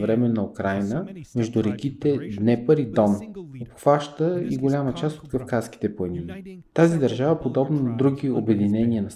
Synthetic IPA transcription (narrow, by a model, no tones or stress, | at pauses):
vɾɛmɛnɐokɾajnəmɛʒd̪ʊɾɛkʲit̪ɛd̪nɛpəɾid̪ɔnopxvaʃt̪əḭɡolʲamət͡ʃast̪ot̪kɐfkaski̥t̪ɛplˠɐnit̪azid̪ɐɾʒavɐpod̪ɔbnənɐd̪ɾuɡʲiobɛd̪inɛniənɐ